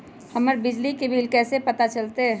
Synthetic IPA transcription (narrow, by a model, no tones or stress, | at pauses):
həməɾbɪd͡ʒlikebʱiːlkɛːsepət̪at͡ʃəlt̪e